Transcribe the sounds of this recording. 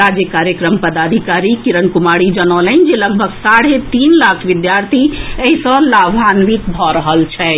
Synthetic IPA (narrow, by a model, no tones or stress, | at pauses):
ɾad͡ʒjəkaɾjəkɾəmpəd̪ad̪ʱikaɾikiɾənkumaɽid͡ʒənələnd͡ʒeləɡ̚bʱəɡsaɽ̤et̪inlakʰʋid̪jaɾt̪ʰiəɦisɔ̃labʱanʋik̪bʱɔɾəɦəlt͡ʃʰɛ